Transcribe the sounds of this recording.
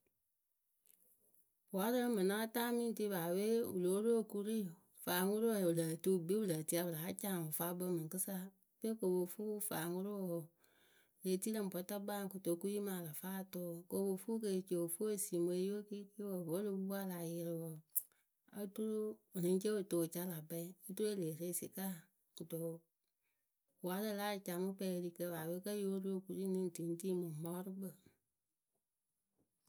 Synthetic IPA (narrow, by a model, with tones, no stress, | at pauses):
a˦ɾə˦mɨ˨na˦ta˦mi˦n˦ti˦ba˨we˦wu˨lo˨˦lo˦˨ku˦ɾi˦˨ | faː˨ŋu˦ɾo˦˨wu˨lə˨tu˦bi˦wu˨lə˨ti˦a˧bɨ˨la˨˦t͡ʃa˦˨ŋ˨o˨fa˦bə˧mɨ˨ŋ˨kɨ˦sa˦ | fe˦ko˨bo˨fu˦faː˨ŋu˦ɾo˦wo˨ | le˨˦ti˦lə˦m̩˨pɔ˨˧ta˦ba˦˨ŋ˨ko˨to˨ku˦ji˦ma˨la˨faː˦˨toː˦˨ko˧˦wo˨fu˦k̬e˨t͡ʃe˨o˨fo˦e˨si˨m˨e˦jo˦ki˦ki˦wo˨vo˨˦lo˧wu˦a˦la˨jɪ˨ɾɨ˨˧wo˨ | a̰˨˦tu˦ɾo˦o˨nɨ˦ŋ˦t͡ʃe˦wo˨toː˨t͡ʃa˦la˨bɛ˦i˦ə˦tu˦e˦˨le˨ɾe˦si˨ka˦ | ku˨to˨ | wa˨˦lə˦la˦˨t͡ʃa˨mu˦pɛ˧˨˧ɾi˧kə˧˦wa˨we˦kə˦jo˦ɾu˦o˦˨ku˨ɾi˦nɨ˦ŋ˨ti˨˦n˦ti˦mɨ˨mɔ˦ɾu˦bə˨